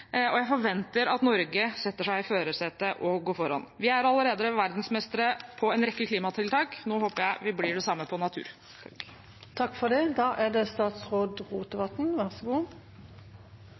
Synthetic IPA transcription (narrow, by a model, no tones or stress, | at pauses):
ɔjæɪfɔɾʋɛnt̪əɾɑt̪nɔɾɡəsɛt̪ːəʂæɪføːɾəsɛt̪əʔɔɡoːfɔɾɑ̰nʋɪæɾɑlːəɾeːd̪əʋæɾd̪n̩smɛst̪əɾəpʰɔɛnɾɛkːəkʰliːmɑt̪ʰɪlt̪ʰɑːknoːhoːpəɾjæɪʋɪblɪɖɛsɑmːəpʰɔnɑt̪ʰʉ̰ːɾ | t̪ʰɑkːfɔʁd̪ɛd̪ɑːʔæd̪ɛst̪ɑːt̪sʁoːd̪ʁuːt̪əʋɑt̪n̩ʋæʁsɔɡuː